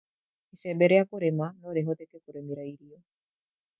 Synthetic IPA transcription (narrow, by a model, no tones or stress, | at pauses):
isɛbɛɾɛakoɾɛmanɔɾɛɦɔt̪ɛkɛkuɾemiɾaiɾiɔ